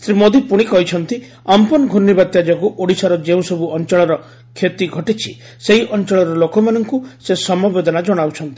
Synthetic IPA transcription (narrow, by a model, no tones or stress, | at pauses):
sɾimod̪ipuɽ̃ikɔɦit͡ʃʰɔnt̪i | ampɔnɔɡʱunːibat̪jad͡ʒɔkuʔoɽisaɾɔd͡ʒeũsɔbuɔnt͡ʃɔɭɔɾɔ | kʰːet̪iɡʱɔʈit͡ʃʰi | seɦiʔɔnt͡ʃɔɭɔɾɔlokɔmanɔŋkusesɔmɔbed̪ɔnad͡ʒɔɽ̃awt͡ʃʰɔnt̪i